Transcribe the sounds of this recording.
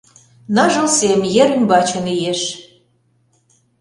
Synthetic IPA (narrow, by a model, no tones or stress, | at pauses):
nɑʒə̆lsemjeɾymbɑt͡ɕə̆nijeʃ